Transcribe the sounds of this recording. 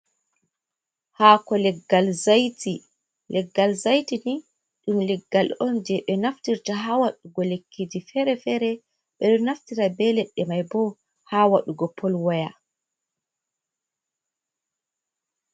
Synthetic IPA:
hakɔlɛɡːalzajti | lɛɡːalzajtini | ɗumlɛɡːalɔnd͡ʒɛɓɛnaftiɾtaɦawaɗuɡɔlekʰːid͡ʒifɛɾɛfɛɾɛ | ɓɛɗɔnaftiɾabɛlɛɗːɛmajbɔ | hawaɗuɡɔpʰɔlwaja

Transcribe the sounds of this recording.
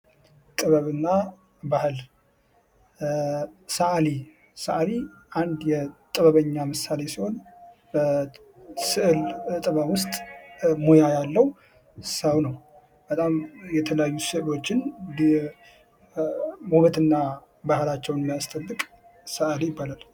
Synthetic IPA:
t̪ʼɨβəβɨnːa | bahɨl | səʔali | səʔali | ʔand̪jɛt̪ʼɨβəβəɲːamɨsːale̞siho̞n | sɨʔlt̪ʼɨβəwʊst̪ʼmo̞jajalːəw | hɨsaβnəw | bət̪ʼamjɛt̪ʰələjajːusɨʔlo̞t͡ʃːɪn | muβət̪ɨnːa | bahɨlat͡ʃːɛwnmijast̪ʼəbːɨkʼ | səʔalijɪbːalal

